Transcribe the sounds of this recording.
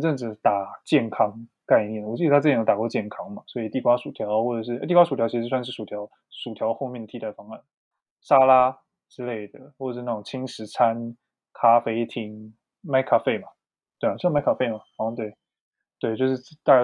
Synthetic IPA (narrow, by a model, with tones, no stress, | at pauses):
ʈ͡ʂə˥˧nʈ͡ʂɻ̩˥˩t̪a˨˩t͡ɕjɛ˥˩nkʰɑ˥ŋ | ka˥˧ɪnjɛ˥˩nwɔ˨˩t͡ɕi˥˧ə˧a˥˩˧jt̪a˨˩kwɔ˥˧t͡ɕjɛ˥˩nkʰɑ˥ŋma˨˩swɔ˧˥i˨˩t̪i˥˩kwa˥ʂu˨˩t̪ʰjɑ˧˥ʊxwɔ˥˩ʈ͡ʂɤ˨˩ʂ̬ɻ̩˥˩ʔt̪i˥˩kwa˥ʂu˨˩jɑ˥ʊt͡ɕʰi˧˥ʂɻ̩˥˧swa˥˧nʂ̬ɻ̩˥˩ʂu˨˩t̪ʰjɑ˧˥ʊ | ʂu˨˩t̪ʰjɑ˧˥ʊxo˥˧ʊmjɛ˥˩nd̪ə˩t̪ʰi˥t̪a˥˩fɑ˥ŋa˥˩n | sa˥la˥ | ʈ͡ʂɻ̩˥le˥˩ɪd̪ə˩xwʂɻ̩˥˧na˥˩ʊ˨˩ŋt͡ɕʰi˥ŋʂɻ̩˧˥t͡sʰa˥n | kʰa˥fe˥ɪt̪ʰi˧˥ŋ | ma˥ɪkʰa˥fe˥˩ɪma˩ | t̪we˥˩ɪ˨˩˥ma˥ɪkʰa˥fe˥˩ɪma˩ɑ˨˩˥ŋt̪we˥˩ɪ | t̪we˥˩ɪt͡ɕjʊʂ̬ɻ̩˥˧˥t̪a˥˩˥